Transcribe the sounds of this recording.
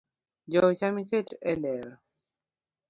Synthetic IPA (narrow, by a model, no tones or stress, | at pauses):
d͡ʒɔt͡ʃamiketɛnɛɾ